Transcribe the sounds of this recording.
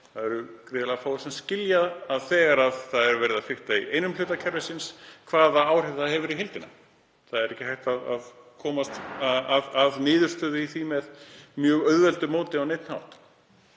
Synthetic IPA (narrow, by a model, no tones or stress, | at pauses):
θaðɛɾʏkɾɪːðɪlɛɣafawsɛmscɪljaðaðθɛːɣaɾaðθaðɛɾvɛɾɪðaðfɪht̪aiejnʏmlʏːt̪acʰɛɾðɛsɪnskʰvaːðaaːwr̥ɪvðahɛvʏɾiɦɪlt̪ɪna̰ | θaðɛɾɛhcɪhajht̪aða̰ð | kʰɔːmast̪aaðaðnɪːðʏ̥st̪œːðɪiθvimɛðmjœːɣœðvɛlt̪ʏmoːt̪ɪawnejt̪nha̰wht̪